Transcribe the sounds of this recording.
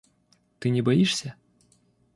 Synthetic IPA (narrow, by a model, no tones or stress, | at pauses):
t̪ɨnʲɛbɐjiʂsʲɐ